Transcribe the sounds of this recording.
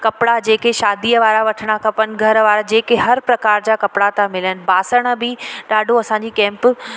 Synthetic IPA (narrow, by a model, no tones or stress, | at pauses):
kɐpɽad͡ʑeːkeʃaːd̪iːəʋaːɾaʋɐʈʰɪɽ̃akɐpənɪ̆ɡʱɐɾʋaːɾad͡ʑeːkeɦɐɾpɾɐkaːɾd͡ʑaːkɐpɽat̪ãmɪlənɪ̆baːsəɽ̃ə̆bɪɗaːɖʱoɐsãːɲd͡ʑiːkɛ̃ːmp